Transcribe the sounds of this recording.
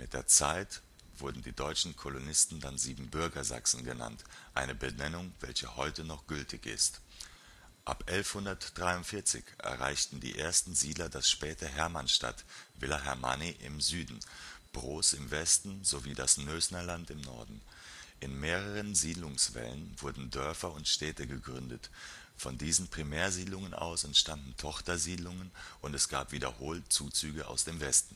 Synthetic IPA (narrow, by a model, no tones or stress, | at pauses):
mɪt̚d̥eːɐt͡saɪt | v̥ʊɐdn̩diːdɔʏt͡ʃn̩kʰolonɪstn̩danziːbm̩bʏɐɡɐza̰ksn̩ɡəna̰ntʔaɪnəbənɛnʊŋvɛlçəhɔʏtənɔχɡ̥ʏltʰɪçɪ̰st | ʔapʔɛlfhʊndɐtd̥ʁaɪʊntfɪɐt͡sɪ̰çʔɛ̰ɐʁa̰ɪçtn̩dḭːʔeːɐstn̩ziːdlɐdasʃpɛːtəɦɛɐmanʃta̰tvɪlaɦɛɐma̰niʔɪ̰mzyːdn̩b̥ʁoːsɪmvɛstn̩zoviːdasnøːsnɐlantɪmnɔ̰ɐdn̩ | ʔɪnmeːʁ̞əʁənziːdlʊŋsv̥ɛ̰lənvʊɐdn̩dœɐfɐʊntʃtɛːtəɡəɡʁʏndət | fɔndiːzn̩pʁ̥imɛːɐziːdlʊŋənʔa̰ʊsʊntʃtandn̩tʰɔχtɐziːdlʊŋənʔʊntɛsɡ̥aːpv̥iːdɐ̰hoːltt͡suːt͡syːɡəʔa̰ʊsd̥eːmvɛstn̩